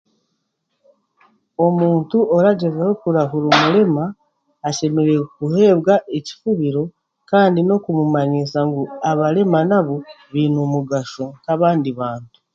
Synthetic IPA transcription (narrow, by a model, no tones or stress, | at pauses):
o̞muːntuoɾaɟezehokuɾaɦuɾomuɾe̞maː | ʃe̞me̞ɾe̞kuhe̞ːβɡaʔeci̥fuβiɾo̞ | kaːndino̞kumumaɲisaŋɡuaβaɾe̞manaβo | βiːnumuɡaʃoŋkaβaːndiβaːntu̥